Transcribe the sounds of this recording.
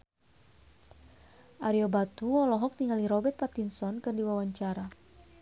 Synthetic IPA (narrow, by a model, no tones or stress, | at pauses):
ʔaɾiɔbat̪uɔlɔɦɔk̚t̪iŋaliɾɔbɛrt̪̚pat̪insɔnkɨrdiwawaɲt͡ʃaɾa